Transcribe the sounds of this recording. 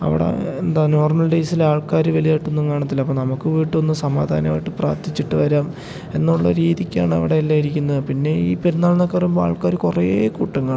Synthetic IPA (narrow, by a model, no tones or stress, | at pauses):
ɐ̰ʋḭɽḛend̪aːno̞ːrmɐlɖejsilaːɭkaːɾuʋɐlijaːʈːunːukːaːɳɐt̪ːilɐpːoːnɐmukːɨʋiːʈːɨo̞nːɨsɐmaːd̪ʱaːnɐma̰ːjiʈːɨpra̰ːrt̪ʰit͡ɕːiʈːɨʋɐɾaːm | e̞nːuɭːɐ̰ɾiːðikʲːa̰ːɳɨɐ̰ʋiɽe̞lːaːiɾikʲːunːɐðɨpinːe̞iːpiɾunːaːɭnokːerɐjumboa̰ːɭkaːɾukurejeːkuʈːuŋːɐɭ